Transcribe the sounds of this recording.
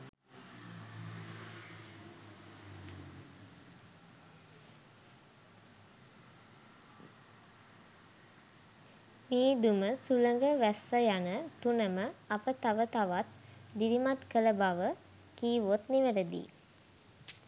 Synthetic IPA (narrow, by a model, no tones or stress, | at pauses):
miːd̪uməsuləŋɡəʋæsːəjanət̪unəməapət̪aʋət̪aʋat̪d̪ilimat̪kələbaʋə | kiːʋot̪niʋələd̪ḭ